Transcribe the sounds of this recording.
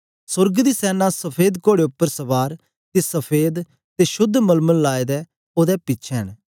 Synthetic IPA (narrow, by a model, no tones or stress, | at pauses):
sʊɾɡd̪isɛːnasɐpʰeːd̪koːɽeʊpːəɾsɐbaːɾ | t̪esɐpʰeːd̪ | t̪eʃʊd̪ʱːmɐlməllaːed̪ɛ | oːd̪ɛpɪːt͡ʃʰɛɦən